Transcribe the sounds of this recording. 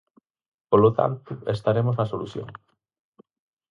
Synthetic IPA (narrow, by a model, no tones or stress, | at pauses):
polot̪a̰nt̪ʊest̪aɾemʊznɐsoluθjo̰ŋ